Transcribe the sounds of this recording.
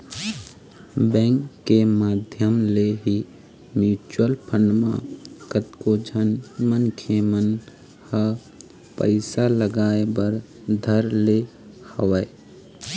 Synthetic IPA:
bɛ̃ːŋkːemaːd̪ʱjəmleɦi | mjuːt͡ʃəlpʰəɳɖmã̰kət̪kod͡ʒənmənkʰemən | hə | pə̰ɪsaləɡaːebəɾ | d̪ʱəɾle | həʋə

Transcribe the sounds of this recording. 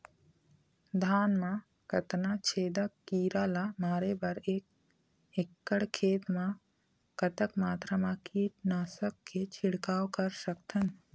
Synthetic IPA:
d̪ʱaːnmã | kɐt̪nat͡ʃʰeːd̪əkkːiːɾaːlamaːɾebɐɾeːk̚ | ekːəɽkʰeːt̪mã | kɐt̪əkmaːt̪ɾəmãkiːʈnaːsəkːet͡ʃʰɪɽkaːwkɐɾsəkt̪ʰən

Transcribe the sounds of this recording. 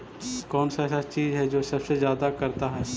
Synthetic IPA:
kɔːnsasat͡ʃiːzɦɛd͡ʒoːsɐbsezjaːd̪akɐɾt̪aɦɛː

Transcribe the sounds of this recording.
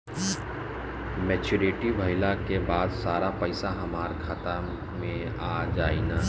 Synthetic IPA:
mɛːt͡ʃʊɾeːʈibʱɐɪlakebaːd̪saːɾapɐɪsaɦɐmaːɾkʰaːt̪a | mẽ | aːd͡ʒaːina

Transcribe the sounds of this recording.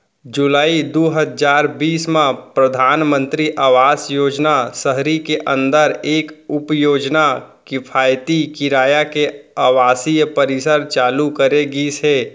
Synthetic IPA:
d͡ʒʊlaːid̪oːɦəd͡ʒaːɾbiːsmãpɾəd̪ʱaːnmə̃nt̪ɾiʔaːʋaːsjoːd͡ʒnasəɦɾikeʔə̃nd̪əɾeːkʊpjoːd͡ʒnakɪpʰaːjt̪ikiɾaːjakeaːʋaːsijpəɾɪsəɾt͡ʃaːlukəɾeɡiseː

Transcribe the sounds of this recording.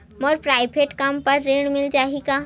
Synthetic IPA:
mɔːɾpɾaːɪbʱeːʈkɐmpɐɾːeːɽmɪld͡ʒaːɦikaː

